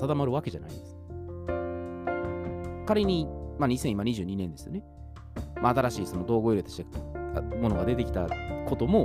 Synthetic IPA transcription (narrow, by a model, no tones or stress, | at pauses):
sad̪amaɾɯ̟βake̞ʑa̰na̰ḭ̃nd̪e̞sɨ̥ | kaɾeɲ̟imaɲ̟isẽ̞imaɲ̟iʑɨːɲ̟inẽ̞nd̪e̞sɨjo̞ne̞ | maːt̪aɾaɕiːsomod̪o̞ːɡoiɾet̪oɕi̥t̪e | mo̞no̞ɡad̪e̞t̪e̞kʲi̥t̪ako̞t̪o̞mo̞